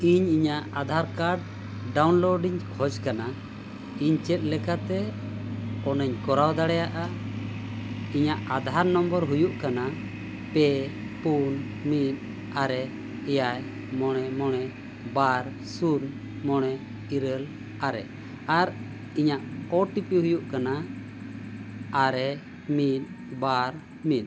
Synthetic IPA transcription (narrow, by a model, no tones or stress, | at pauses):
iɲiɲaʔad̪ʱaɾkaɖ̚ | ɖawnlɔɖiɲkʰɔd͡ʒkana | iɲt͡ʃɛt̪̚lɛkat̪ɛ | ɔnɛɲkɔɾawd̪aɽɛjaʔa | iɲaʔad̪ʱaɾnɔmbəɾɦujuʔkana | pɛ | pun | mit̪̚ | aɾɛ | ɛjaj | mɔɽ̃ɛmɔɽ̃ɛ | baɾ | sun | mɔɽ̃ɛ | iɾəl | aɾɛ̰ | aɾ | iɲaʔɔʈipiɦujuʔkana | aɾɛ | mit̪̚ˀ | baɾ | mit̪̚